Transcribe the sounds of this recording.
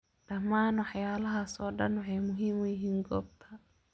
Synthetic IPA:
ɗɐmːaːnwɑħjaːlɐɦasɔːɖɐ̰nwɐħɛjmʊɦiːmʊjɪɦiːŋɡɔːb̚t̪ʰɐ

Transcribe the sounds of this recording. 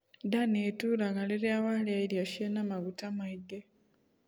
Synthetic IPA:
danetulaŋɡaliɾjawaljailjoʃienamaɡutamaiɡe

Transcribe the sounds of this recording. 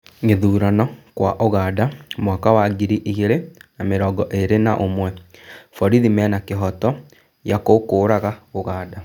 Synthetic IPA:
ŋeðuːɾanɔkwaʔoɣaːdamwakawaɡiɾiʔiɣeɾenameɾɔːɡɔʔeɾenaʔomwɛfɔɾiðimɛnakeɦɔtɔ | jakokoːɾaɣaoɣaːda

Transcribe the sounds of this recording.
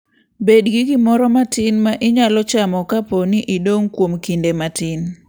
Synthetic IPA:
bedɡiɡimɔɾɔmatɪnmaʔɪɲalɔt͡ʃamɔkaponiʔidoŋkwomkindematɪn

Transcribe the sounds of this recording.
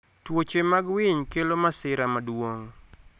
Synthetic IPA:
twot͡ʃemaɡwɪɲkelomasɪɾamadwoŋ

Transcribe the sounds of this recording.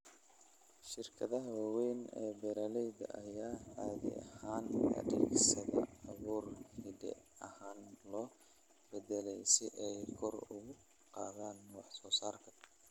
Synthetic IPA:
ʃɪrkʰɐðɐɦɐwɑːwɛjnɛ̰ːbɛɾɐlɛjd̪ɐʔɐjaːaːðɪ̰ɐ̰haːnʰɐ̰ɖɪɡsɐðɐɑβuːrhɪdɛ̰ɐhaːnlɔː | b̥ɛdɛlɛjsɪʔɛjkʰɔrʊɣʊ | qɑːðaːnːuːʕsɔːsaːrkʰɐ̥

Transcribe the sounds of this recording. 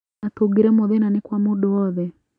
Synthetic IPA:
atuɡiɾɛmɔðinanikwamuɗɔɔðɛ

